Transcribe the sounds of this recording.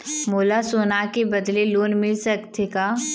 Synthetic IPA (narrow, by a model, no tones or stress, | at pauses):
moːlasoːnakebɐd̪leloːnmɪlsɐkt̪ʰekaː